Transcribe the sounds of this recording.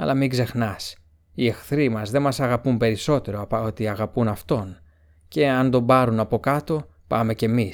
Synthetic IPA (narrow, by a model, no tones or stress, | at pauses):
ɐ̰lʔɐmiɡze̞xnɐs | ie̞xθɾimɐzðe̞mɐsɐɣɐpumpe̞ɾiso̞t̪e̞ɾo̞ɐpɐot̪iɐɣɐpunɐft̪o̞n | ce̞ɐnd̪o̞mbɐɾunɐpo̞kɐt̪opɐ̰me̞ce̞mi